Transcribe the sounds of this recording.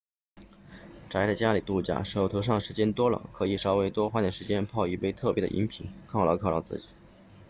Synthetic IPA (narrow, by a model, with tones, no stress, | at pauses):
ʈ͡ʂa˧˥ɪt͡sɪt͡ɕja˥li˨˩t̪u˥˩t͡ɕja̰˥˩ʂo˧˨˩ʊt̪ʰo˧˥ʊʂ̬ɑ˥˩ŋʂɻ̩˧˥t͡ɕjɛ˥nt̪wɔ˥lə̰˨˩kʰɤ˧˥i˨˩ʂɑ˥ʊwe˥ɪt̪wɔ˥xwa˥˩nd̪ə˩ʂɻ̩˧˥t͡ɕjɛ˥npʰɑ˥˧ʊy˥˧˩pe˥ɪt̪ʰɤ˥˩pjɛ˧˥ə̰˧ʔḭ˧˥npʰi˨˩˦nkʰɑ˥˩ʊlɑ˧˥kʰɑ˥˩ʊlɑ˧˥t͡sɹ̩˥˩t͡ɕi˨˩˦